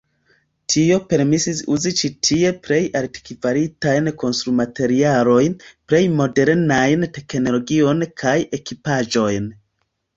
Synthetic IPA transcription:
tʰio̞pe̞ɾmisisṵzit͡ʃitʰie̞pɾe̞jʔaɾti̥kivaɾitajnko̞nstɾumate̞ɾialo̞jnpɾe̞jmo̞de̞ɾnajnte̞kno̞lo̞ɡio̞nkʰaje̞kipaʒo̞jn

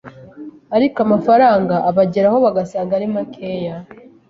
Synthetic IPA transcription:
aɾikoamafaɾaːŋɡaʔːβaɟeɾaho̞βaɡasaːŋɡaɾimakʰeːja

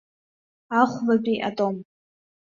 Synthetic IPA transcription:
aχʷlabʼiʔa̰tʼo̞m

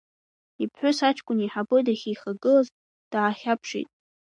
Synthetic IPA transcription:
ipʰħʷʊsat͡ʃʰʼkʷʼʊniħabodaχʲijχaɡɨlaz | d̥aχʲapʰʂḭtʼ

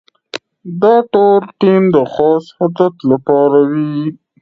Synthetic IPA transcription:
d̪ɑʈolʈimd̪əxɑshad̪at̪lapɑɾawi

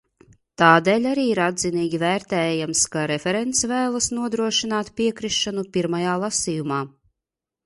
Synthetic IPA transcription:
t̪aːd̪eːlʲaɾiːiɾad̪ziniːɡʲivæːɾt̪ɛːjamskaɾɛfʲɛɾɛnt̪svæːlˠasnuɔd̪ɾuɔʃinaːt̪pʲiɛkɾiʃːanupʲiɾmajaːlˠasʲijumaː

